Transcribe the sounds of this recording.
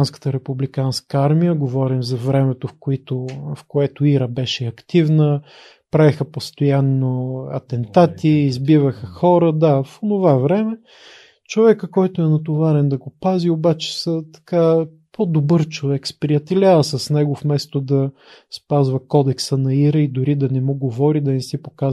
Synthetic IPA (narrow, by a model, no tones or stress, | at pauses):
nskə̥t̪əɾɛpublikanskəaɾmijəɡovɔɾimzɐvɾɛmɛt̪ofkʊit̪ofkoɛt̪ʊiɾəbɛʃɛɐkt̪ivnə | pɾavɛxəpost̪ojanːoɐ̰t̪ɛnt̪at̪iːzbivəxəxɔɾəd̪afonovavɾɛmɛ | t͡ʃovɛkəkɔjt̪ʊɛnɐt̪̬ovaɾɛnd̪ɐɡopaziobat͡ʃɛ̥sət̪ɐ̥ka | pʰod̪obɤɾt͡ʃovɛkspɾiɐt̪ɛlʲavəsɐsnɛɡofmɛst̪od̪ɐ | spazvɐkɔd̪ɛksənɐiɾəid̪ʊɾid̪ɐnɛmuɡovɔɾid̪ɐnɛsipokaz